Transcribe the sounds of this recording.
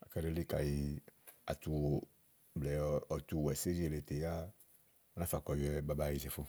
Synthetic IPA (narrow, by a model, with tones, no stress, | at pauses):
a̰˨kɛ˦ɾe˦li˦ka˨ji˧a̰˨t̪u˨wo˨ | blɛ˨ɔ˨t̪u˨wɛ˨se˦ɾi˦e˨le˨t̪e˨ja˦˨ | nã˦fa˨kɔ˨jɛ˨ba˦ba˦˨ji˨d͡ʒɛ˨fo˦